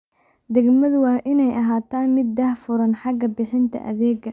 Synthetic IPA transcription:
d̪ɛɡmɐðʊwɑːʔɪnɛjʔɐɦaːt̪ʰaːnmɪd̪̚ːɐhfʊɾɐnħɑɡɐbɪħɪnt̪ʰɐ̰ʔɐ̰ðɛːɡɐ

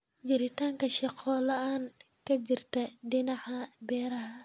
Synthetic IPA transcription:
d͡ʒɪɾɪt̪ʰaːŋkʰɐʃɑqɔːlɐaːn | kʰɐt͡ʃɪrt̪ʰɐɖɪnɑʕɐbɛːɾɐɦɐ

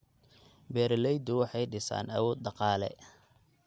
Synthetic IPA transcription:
bɛːɾlɛjd̪ʊwɑħɑjɖɪsa̰ːnɐwɔːd̪̚ɖɑqɑːlɛ̰

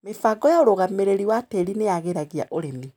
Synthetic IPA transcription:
mefaɡɔjaoɾoɣameɾeɾiwateɾineaɣeɾaɣia̰ʔoɾemi

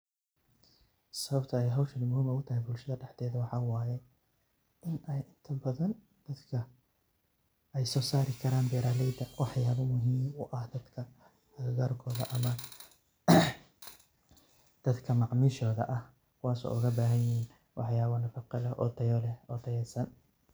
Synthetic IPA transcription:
sɐβɐbt̪ʰɐɛjɦɐwʃɐlmʊhiːmɐʊt̪ʰɐɦɛjbʊlʃɐðɐɖɛħd̪ɛːðɐwɑħɑːwaːjɛ | ɪnɛjʔɪnt̪ʰɐbɐðɐn | d̪̥ɐd̪kʰɐ | ɛjsɔːsaːɾɪkʰɐɾaːnbɛːɾaːlɛjd̪ɐwɑħjaːβɐmʊɦiːmʊʔɐhd̪ɐd̪kʰɐ | ɐɣɐɣaːrkʰɔːðɐʔɐmɐ | d̪̥ɐd̪kʰɐmɑʕmiːʃɔːðɐ̰ʔɐh | kʰʊwaːsɔ̰ːʔʊɣɐbaːɦɐjɪɦiːn | wʔɑħjaːβɔnɐfɑqɪlɛʔɔ̰d̪ɐjɔlɛhɔːd̪ɐjɛsɐn

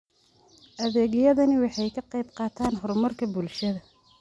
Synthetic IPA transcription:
ʔɐðɛːɣɪjɐðɐnɪwɑħɑjkʰɐqɑjbqɑːt̪ʰaːnɦɔrmɐrkʰɐbʊlʃɐðɐ

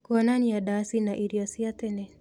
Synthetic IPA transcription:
kɔnaniadasinaʔiɾjɔsiatɛnɛ

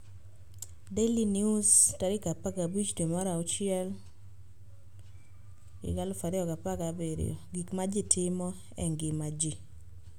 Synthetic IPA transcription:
delinjustaɾɪkapaɡabit͡ʃdemaɾaut͡ʃɪɛl | ɡɪ̰ɡalfaɾɪɔɡapaɡabeɾ̰o̰ɡikmad͡ʒɪtʰɪmɔ | ɛ̰ŋɡɪmad͡ʒi

